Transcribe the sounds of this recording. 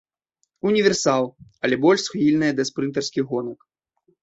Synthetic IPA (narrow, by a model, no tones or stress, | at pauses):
unʲivʲɛrsalˠɐlʲɛbɔlʲʂsxvʲilʲnɨjɐd̪ɐspɾɨnt̪ɐrskʲiɣɔnɐk